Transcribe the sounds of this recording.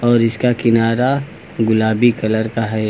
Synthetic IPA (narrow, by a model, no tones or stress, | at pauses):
ɔːɾɪskakɪnaːɾa | ɡʊlaːbikɐləɾkaɦɛː